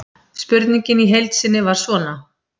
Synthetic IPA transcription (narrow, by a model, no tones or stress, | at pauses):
spʏɾt̪niɲcɪniɦejlt̪sɪnːɪvaɾ̥svɔːna